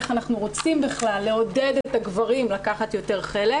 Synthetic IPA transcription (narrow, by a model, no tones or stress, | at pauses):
χanaχnuʁo̞t͡simbiχlalːe̞o̞ded̪etaɡvaʁimlakaχat̪jo̞te̞ʁχele